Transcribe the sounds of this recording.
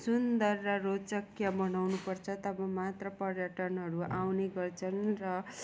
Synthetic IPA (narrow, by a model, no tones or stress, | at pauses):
sund̪ʌrːʌrot͡sʌkjabʌnawnupʌrt͡sʰʌt̪ʌbʌmat̪rʌpʌɾjʌʈʌnɦʌɾuawneɡʌrt͡sʰʌnrʌ